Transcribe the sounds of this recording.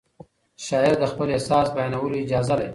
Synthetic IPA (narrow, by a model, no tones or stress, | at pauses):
ʃɑɪɾd̪əxpəlehsɑːsbajɑnawəloɪd͡ʒɑːzad̪a̰